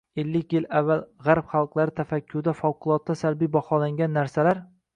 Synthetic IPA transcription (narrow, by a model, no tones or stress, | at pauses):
elːɪkʲjɪlavːalʁaɾpχɑlˠqlˠaɾɪt̪ʰafakʲʰːʊɾd̪afɒwqʰʊlˠɒt̪ːasalbijbɒχɒlaŋʲanːaɾsalaɾ